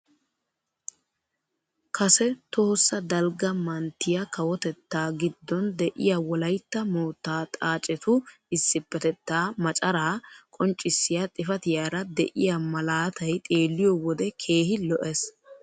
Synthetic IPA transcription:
kʰɐsɛt̪oːsːɐd̪ɐlɡɐmɐnt̪ːɪjɐkɐwɔt̪ɛt̪ːaːɡɪd̪ːɔnd̪ɛʔɪ̰jawɔlɐjt̪ːɐmoːt̪ːaːt̪ʼaːt͡ʃʼɛt̪ʊ | ɪsːɪpːɛt̪ɛt̪ːaːmɐt͡ʃʼɐɾaːkʼɔnt͡ʃʼːɪsːɪjat̪ʼɪfɐt̪ɪjaːɾɐd̪ɛʔɪjamɐlaːt̪ɐjt̪ʼe̞ːlːɪjɔwɔd̪ɛkʰe̞ːhɪlɔʔɛs

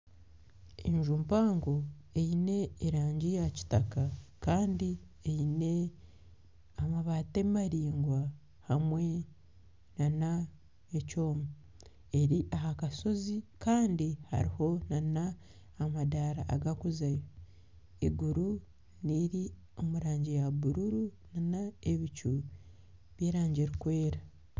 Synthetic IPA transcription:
ḛɲʒumpaːŋɡo̞ | ejine̞ːɾaːɲɟijaci̥takakaːndi | eine̞ | amaβaːte̞maɾiːŋɡwa | hamwe̞ | nana | eco̞ːmu | e̞ɾiʔaɦakaso̞zikaːndiha̰ɾiho̞nanaː | madaɾa̰ʔaɡakuzajo | iɡuɾu | niɾi | o̞muɾaːɲɟejaβuɾuɾunanaeβicu | βjeːɾaːɲɟeɾikwe̞ːɾa

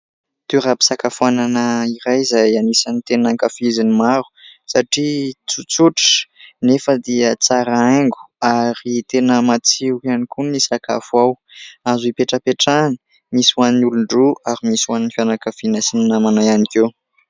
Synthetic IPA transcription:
t̪uɾapi̥sakafuananəiɾajizajanisanit̪enaŋkafizinimaɾu̥saʈ͡ʂit͡sut͡suʈ͡ʂnefəd̪iət͡saɾaaŋɡu̥aɾit̪enəmat͡siukanikunisaka̰fuaw | azuipeʈ͡ʂəpeʈ͡ʂanə̥ | miswaninuluɳɖ͡ʐuaɾimiswaninfjanakafinasininamanajanikew

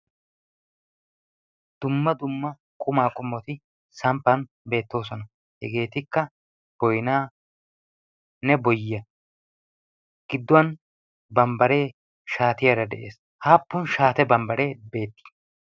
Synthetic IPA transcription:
d̪̥ʊmːɐd̪ʊmːɐ | kʼʊmaːkʼʊmːɔt̪ɪ | sɐmpːɐn | be̞ːt̪ːo̞ːsɔnɐ | hɛɡe̞ːt̪ɪkːɐ | b̥ɔjnaː | nɛbɔjɪɐ | ɡ̥ɪd̪ːʊwɐn | bɐmbɐɾe̞ː | ʃaːt̪ɪjɐɾɐd̪ɛ̰ʔe̞ːs | haːpːʊnʃaːt̪ɛbɐmbɐɾe̞ːbe̞ːt̪ːɪ̥

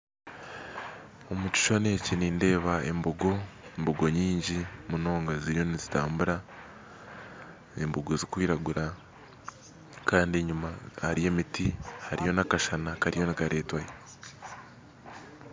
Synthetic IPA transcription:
o̞mucu̥ʃoneciniːnde̞ːβae̞̰mboɡo̞mboɡo̞ɲiːɲɟimuno̞ːŋɡaziɾjo̞nizitaːmbuɾa | emboɡozikwiːɾaɡuɾa | kaːndieɲumahaɾije̞ːmitihaɾijo̞nakaʃanakaɾijo̞nikaɾe̞ːtwaje

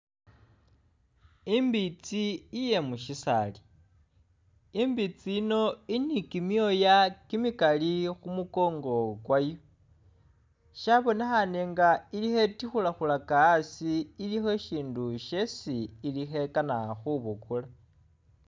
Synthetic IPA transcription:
imbit͡siːje̞muʃisa̰li | imbit͡siːno̞inikimjo̞jakimikalixumuko̞ːŋɡo̞ɡwajo | ʃaβo̞nexaneŋɡailixe̞tixulaxulakaːsiːlixe̞ʃiːnduʃe̞siːlixe̞kanaxuβukula

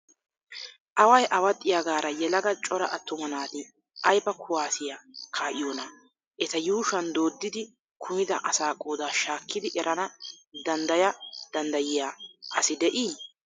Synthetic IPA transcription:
ʔɐwɐjʔɐwɐt̪ʼːɪjaɡaːɾɐjɛlɐɡɐt͡ʃʼɔɾɐʔɐt̪ːʊmɐnaːt̪ɪ | ʔɐjbɐkʰʊwaːsɪjakʰaːʔɪjoːnɐ | ʔɛt̪ɐjuːʃɐnd̪oːd̪ːɪd̪ɪ | kʰʊmɪd̪ɐʔɐsaːkʼːoːd̪aːʃaːkʰːɪd̪ɪʔɛɾʔɐnɐd̪ɐnd̪ɐjɐd̪̥ɐnd̪ɐjɪjaːʔɐsɪd̪ɛʔiː

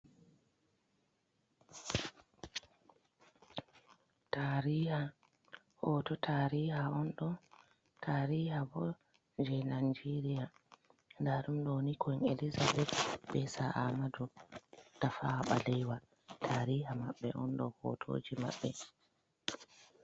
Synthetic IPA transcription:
taɾiːha | hɔtɔtʰaɾihaɔnɗɔn | tʰaɾihabɔ | d͡ʒɛnand͡ʒɛɾijandaɗumɗonikʰɔnelizabɛtɓɛsaʔamadɔd̥afawaɓa̰lɛjwa | tʰaːɾiːhamaɓːɛ̰ʔɔnɗɔ̰hɔ̰tʰo̰ːd͡ʒima̰ɓːɛ

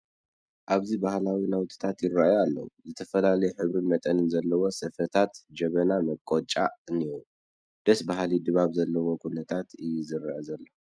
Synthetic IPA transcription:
ʔaβzibahlawinawt̪ʰi̥t̪ʰat̪jɪrːaʔjalːɐ̰wuzɨt̪ʰɐfɐlalɐjɛħɨβɾɨnmɐt̪ʼɐnɨnzɐlːɐwo̞sɐfɐt̪ʰat̪d͡ʒɐβɐnamɐkʼːot͡ʃʼaɨnijo | d̪̥ɐsbaɦlid̪ɨβaβzɐlːɐwo̞kʰunɐt̪ʰat̪ɨjːuzɨɾaʔɐzɐlːo

